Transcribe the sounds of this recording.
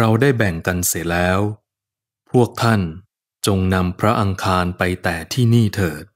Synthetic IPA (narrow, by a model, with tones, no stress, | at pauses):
ɾa˧wdaː˥˩jbɛ˨˩ŋka˧nsi˨˩˦lɛː˦˥w | pʰu˥˩ək̚t̪ʰa˥˩n | t͡ɕo˧ŋna˧mpʰɾa˦˥ʔa˧ŋkʰaː˧npa˧jt̪ɛː˨˩t̪ʰiː˥˩niː˥˩t̪ʰɤː˨˩t̪̚